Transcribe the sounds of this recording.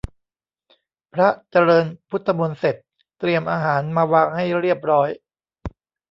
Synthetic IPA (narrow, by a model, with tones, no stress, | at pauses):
pʰɾa˦˥t͡ɕa˧ɾɤː˧npʰu˦˥t̪ʰːa˧mu˧nse˨˩t̪̚ː | ɾi˧əmʔaː˧ɦaː˩˦nmaː˧waː˧ŋha˥˩jɾi˥˩əp̚ɾɔː˦˥j